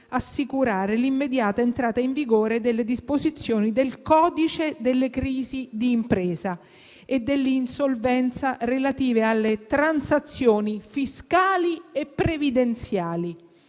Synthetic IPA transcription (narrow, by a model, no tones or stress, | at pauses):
asːikuɾaːɾelimːed̪jaːt̪aent̪ɾaːt̪aiɱviɡoːɾed̪elːed̪ispozit̪sːjoːnid̪elkɔːd̪it͡ʃed̪elːekɾiːzid̪iːmpɾɛːza | ed̪ːelːinsolvɛnt̪sarelat̪iːvealːet̪ɾansat̪sːjoːnifiskaːliepːɾevid̪ent̪sjaːli